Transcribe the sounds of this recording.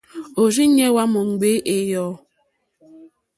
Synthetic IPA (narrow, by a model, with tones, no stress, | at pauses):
o˨ɾi˦ɲɛ˦wa˦mɔ˨ŋ˨ɡ͡be˦ʔe˨jɔ˨˦